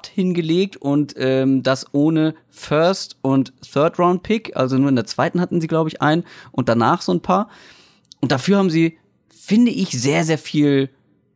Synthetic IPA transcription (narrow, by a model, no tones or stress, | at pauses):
thɪnɡəleːk̚tʊntʔɛːmdasʔoːnə | fœɐstʔʊntθœɐtʁãʊ̃nt̚pʰɪkʔa̰lzonuːɐɪndeːɐt͡sv̥aɪtn̩hatn̩ziːɡlaʊbəɪçʔa̰ɪnnʔʊnt̚d̥anaːχz̥oːnpʰaːɐ | ʔʊnt̚d̥afyːɐhaːbmziː | fɪndəʔɪçz̥eːɐzeːɐfiːl